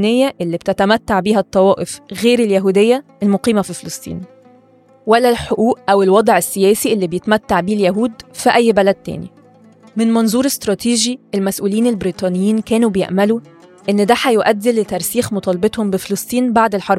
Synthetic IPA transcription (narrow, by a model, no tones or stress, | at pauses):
nejːæʔelːib̚t̪æt̪æmæt̪ːaʕbiːɦæt̪ˤːɑwɑːʔefɣeːɾeljæɦuːd̪ejːæ | elmoqiːmæfifelɑsˤt̪ˤḭːn | wælːælħoʔuːʔʔæwelwɑd̪ˤʕesːejæːsiʔelːiːbejet̪mæt̪ːaʕbiːljæɦuːd̪fiʔæjːbælæd̪̚t̪æ̰ːnḭ | mɪnmɑnzˤuːɾest̪ɾˤɑːt̪iːʒiʔelmæsʔuːliːnelbɾiːt̪ˤɑːnejːiːnkæːnubejḛʔmælu | ʔenːd̪æħæjoʔæd̪ːelːet̪ːæɾˤsiːxmot̪ˤɑːlbet̪ˤhombefelɑsˤt̪ˤiːnbaʕd̪elħɑɾˤb